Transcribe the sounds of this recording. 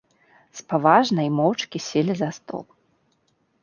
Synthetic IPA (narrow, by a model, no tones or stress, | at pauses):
spavaʐnɐjmɔwt͡ʂkʲisʲɛlʲizɐst̪ɔ̰lˠ